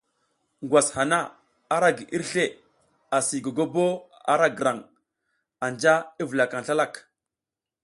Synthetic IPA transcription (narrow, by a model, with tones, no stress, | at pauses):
ŋɡwa˨sha˨na˦ | a˦ɾa˦ɡi˨ʔi˦ɾɬe˦˨ | a˨si˨ɡo˨ɡo˦bo˦ | a̰˦ɾa˦ɡə˨ɾa˨ŋ | a˨nd͡ʒa˦i˦və˨la˨ka˨nɬa˦la˦˨k